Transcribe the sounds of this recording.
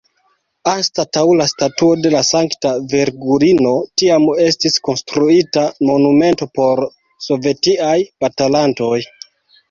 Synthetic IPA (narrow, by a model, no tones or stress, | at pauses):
astatawlastatuo̞de̞lasaŋktave̞ɾɡuɾino̞tiame̞stisko̞nstɾuitamo̞nume̞nto̞po̞ɾ | so̞ve̞tiajpatalanto̞j